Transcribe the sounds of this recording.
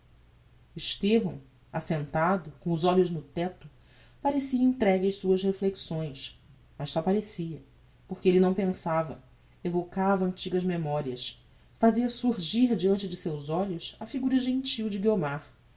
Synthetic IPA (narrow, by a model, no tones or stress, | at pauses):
iʃt̪evɐ̰̃w̃ | asẽnt̪ad̪ʊkõʊzɔʎʊznʊt̪ɛt̪ʊ | paɾesiɐĩnt̪ɾɛɡɐjsuɐzhefleksõj̃s | mɐssɔpaɾesiɐ | poχkɪelɪnɐ̃w̃pẽsavɐ̰ | evokavɐɐ̃nt͡ʃiɡɐzmemɔɾiɐs | faziɐsuɾʒiɾd͡ʒiɐ̃nt͡ʃɪd͡ʒɪsewzɔʎʊsɐfiɡuɾɐʒẽnt͡ʃiwd͡ʒɪɡiomaɾ